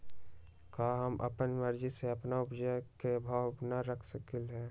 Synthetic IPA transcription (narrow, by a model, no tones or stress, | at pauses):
kaːɦəmʔɐ̰pənməɾd͡ʒiseɐpnaʊpd͡ʒəkebʱabnaɾəkʰsəkɪlɦɛː